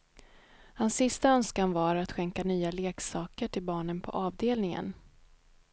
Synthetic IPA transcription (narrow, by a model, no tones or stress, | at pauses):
hansːɪst̪aœnskanvaɾat̪ɧɛŋkanyːaleːksɑːkəʈʰɪlbɑːɳənpʰɔ̰ʔɑːvd̪eːlnɪŋə̰n